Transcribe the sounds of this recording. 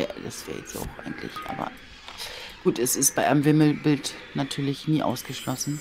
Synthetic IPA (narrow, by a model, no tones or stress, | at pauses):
ja̰ːd̥a̰sv̥ɛ̰ːɐjɛ̰t͡sta̰ʊxʔaɪɡn̩tʰlɪ̰çʔa̰ːbɐ̰ | ɡ̥uːtɛsɪst̚b̥aɪʔamvɪml̩bɪltnatʰyːɐlɪçniːʔaʊsɡ̥əʃlɔsn̩